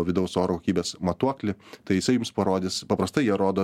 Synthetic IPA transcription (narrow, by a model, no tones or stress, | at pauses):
oʋʲɪd̪ɐʊsoːɾokokʲiːbʲeɛsmɐt̪uɔklʲɪt̪ɐɪjɪsɐɪjʊmspɐɾoːd̪ʲɪspɐpɾɐst̪ɐɪjiɛɾoːd̪oː